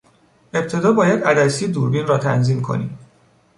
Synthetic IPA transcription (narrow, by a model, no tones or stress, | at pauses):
e̞p̚t̪ʰe̞d̪ɒːbɒːjæd̪æd̪æsiːed̪uːɾbinɾɒːt̪ʰæ̰nziːmkʰo̞̰nḭːm